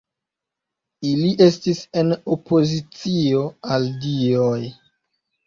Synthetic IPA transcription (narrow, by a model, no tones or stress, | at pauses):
iliʔe̞stise̞nopo̞zit͡sio̞aldioj